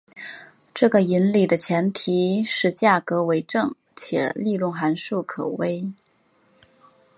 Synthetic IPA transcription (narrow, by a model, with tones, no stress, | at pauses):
ʈ͡ʂɤ˥˩ɡə˩i˧˥nli˨˩d̪ə˦t͡ɕʰjɛ˧˥nt̪ʰi˧˥ʂɻ̩˥˧t͡ɕja˥˩kɤ˧˥we˧˥ɪʈ͡ʂɤ˥˩ŋ | t͡ɕʰjɛ̰˨˩˦li˥˧lʊ˥˩ŋxa˧˥nʂu˥˩kʰɤ˨˩we˥ɪ